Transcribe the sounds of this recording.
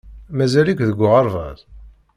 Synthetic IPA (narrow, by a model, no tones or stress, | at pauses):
mæzælikʷðəɡʷːʊʁəɾˤvæ̰ð